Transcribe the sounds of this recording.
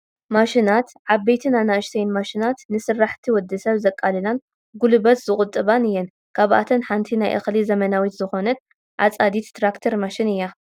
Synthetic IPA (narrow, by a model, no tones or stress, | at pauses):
maʃinat̪ʕaβbejt̪ʰinanaɨʃt̪ʰejnmaʃinat̪nɨsɨrːaħt̪ʰiwɔd̪ːɐsɐβzɐkʼːalɨnan | ɡulɨbɐt̪zɨkʼʊt̪ʼːɨβanɨjːɛn | kʰaβʔa̰t̪ʰɐnħant̪ʰinajʔa̰xlizɐmɐnawit̪zɨxo̞nɐt̪̚ | ʕa̰t͡sʼad̪it̪t̪ʰɾakt̪ʰɐɾmaʃinɨjːa